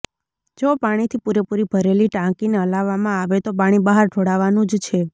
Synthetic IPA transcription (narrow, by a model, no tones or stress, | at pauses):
d͡ʒopaɽ̃it̪ʰipuɾepuɾibʱəɾeliʈãkineəlaʋːamãaʋet̪opaɽ̃ibaɦaɾʈʰoɽaʋanũd͡ʒt͡ʃʰe